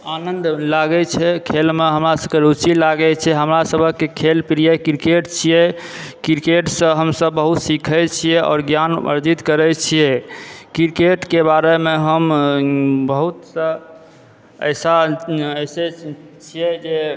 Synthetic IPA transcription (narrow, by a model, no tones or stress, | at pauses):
anənd̪laɡɛt͡ʃʰɛkʰelmeɦəmɾasəb̚keɾut͡ʃilaɡɛt͡ʃʰɛɦəmɾasəbʱəkːekʰelpɾijɛkiɾkeʈt͡ʃʰijɛ | kiɾkeʈsə̃ɦəmsəbːəɦut̪sikʰɛt͡ʃʰijɛʔɔ̰ːɾɡjanə̰ɾd͡ʒit̪kəɾɛt͡ʃʰijɛkiɾkeʈkebaɾemeɦəm | bəɦut̪sə̃ | ə̰jsaəjse | t͡ʃʰijɛd͡ʒe